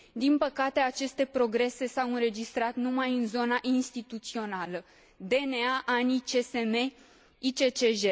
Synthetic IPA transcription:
d̪inpəkat̪e̞at͡ʃe̞st̪e̞pɾo̞ɡɾe̞se̞sawɨnɾe̞d͡ʒist̪ɾat̪numajɨnzo̞naʔinst̪it̪ut̪sio̞nalə | d̪e̞neaʔanit͡ʃe̞seme | it͡ʃe̞t͡ʃeʒe

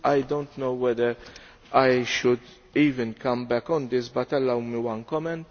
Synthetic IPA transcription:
ɐjd̪õnt̪nowwɛd̪əɾ | ɐjʃʊd̪ | iːvɪ̃nkɐ̃mbɛkːɔ̃nd̪ɪsbɐt̪ːɐlːɐwmiwɐ̃nkɔmɛ̃nt̪

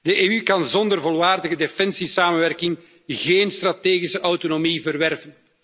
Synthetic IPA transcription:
d̥əʔeːykɑnzɔnd̪ərvɔlˠʋaːrdəɣədefɛnsisaːmənʋɛrkɪŋ | ɣeːnst̪rɑteːɣisəʔɑwtonomivərʋɛrvən

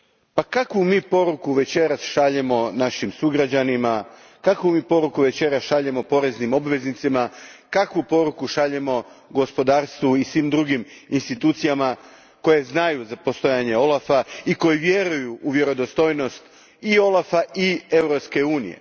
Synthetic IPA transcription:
pakakʋumiːpo̞ɾukuʋe̞t͡ɕe̞ɾasʃaʎemo̞naʃimsuɡɾad͡ʑanima | kakʋumiːpo̞ɾukuʋe̞t͡ɕe̞ɾasʃaʎemo̞po̞ɾe̞znimo̞bʋe̞znit̪sima | kakʋupo̞ɾukuʃaʎemo̞ɡo̞spo̞d̪aːɾst̪ʋuisʋiːmd̪ɾuɡiminst̪it̪uːt̪sijama | ko̞je̞znajuzapo̞st̪o̞jaːɲe̞o̞lˠafaiko̞jiʋje̞ɾujuʔːʋje̞ɾo̞d̪ost̪o̞jno̞st̪ | io̞lˠafaie̞vɾo̞pske̞uːnḭjḛ

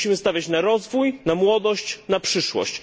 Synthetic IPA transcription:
imɘst̪avʲjat͡ɕnaɾɔzvujnamwɔd̪ɔɕt͡ɕnapʂɘʂwɔ̰ɕt͡ɕ

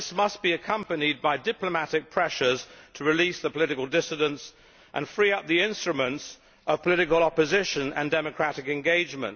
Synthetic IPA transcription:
smʌsb̥iɨkʰʌ̃mpɨnid̚baɪdɪpləmæɾɨk̚pʰɹ̥ɛʃə˞z̥tʰəɹɨlisðəpʰəlɪɾɨkəl̩ˠdɪsɨɾə̃nts | ʔə̰̃nfɹiʌp̚ðiɪ̃nstɹ̥ɨmə̃nts | ʔʌv̥pʰəlɪɾɨkəlˠɑpɨzɪʃɨ̃nə̰̃ndɛmɨkʰɹ̥æɾɨkɨ̃nɡeɪd͡ʒmə̰̃nt

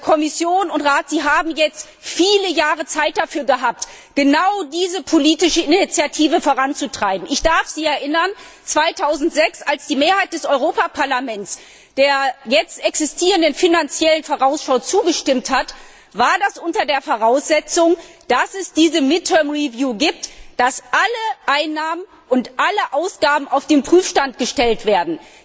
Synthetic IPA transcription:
kʰɔmɪsjoːnʊntʁaːtz̥iːɦaːbm̩jɛt͡st | fiːləjaːʁət͡saɪt̚d̥afyːɐɡəɦaːp̚t | ɡ̥ənaʊdiːzəpʰoliːtɪʃəɪnit͡sjatʰiːvəfoːʁant͡sutʁ̥aɪbm̩ɪçd̥aɐfz̥iːɛɐʔɪnɐn | t͡sv̥aɪtʰaʊzn̩tz̥ɛksalsd̥iːmeːɐhaɪt̚d̥ɛsɔʏʁoːpapʰaɐlamɛnt͡s | d̥eːɐjɛt͡stʔɛksɪstʰiːʁəndənfinant͡sjɛlənfoːʁaʊsʃaʊt͡suːɡəʃtɪmthat | vaːɐdasʔʊntɐdeːɐfoʁ̞aʊsz̥ɛt͡sʊŋ | d̥asɛsd̥iːzəmɪt̚tʰːœɐmʁivjuːɡiːp̚td̥asʔaləʔaɪnːaːmən | ʔʊntʔaləʔaʊsɡ̥aːbm̩aʊfd̥eːmpʁ̥yːfʃtant̚ɡ̥əʃtɛltv̥eːɐdn̩

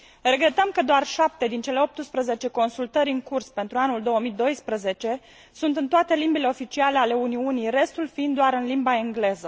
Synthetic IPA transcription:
re̞ɡɾe̞t̪əmkəd̪oarʃap̚t̪e̞d̪int͡ʃe̞le̞o̞p̚t̪ɨspɾəze̞t͡ʃe̞ko̞nsult̪əɾʲɨŋkurspe̞nt̪ɾuanuld̪o̞wəmid̪o̞jspɾəze̞t͡ʃe̞ | sunt̪ɨnt̪oat̪e̞limbile̞o̞fit͡ʃialeale̞uniunire̞st̪ulfiind̪d̪oaɾɨnlimbaeŋɡle̞zə

